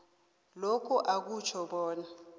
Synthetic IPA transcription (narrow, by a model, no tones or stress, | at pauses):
lokʰuʔak̬ut͡ʃʰɔɓɔːna